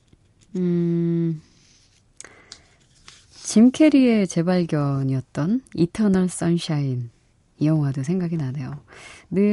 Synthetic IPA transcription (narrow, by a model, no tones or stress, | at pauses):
ɯ | t͡ɕimkʰe̞ɾie̞t͡ɕe̞baɭɡjʌɲiʌt̚t͈ʌnitʰʌnʌɭs͈ʌnɕʰain | ijʌŋwados̬ʰeŋɡaɡinanejonɯ